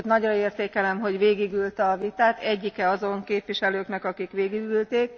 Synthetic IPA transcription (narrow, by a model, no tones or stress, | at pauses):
t̪nɒɟrɒeːrt̪eːkɛlɛmɦo̞ɟʋeːɡiɡylt̪ɒvit̪aːt̪ɛɟːikɛɒzo̞ŋkeːpʋiʃɛløːknɛkɒkikʋeːɡiɡylt̪eːk̚